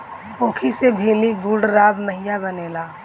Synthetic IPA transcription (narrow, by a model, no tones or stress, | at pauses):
oːkʰisebʱeːliɡuɽɾaːbməɦɪjabəneːlaː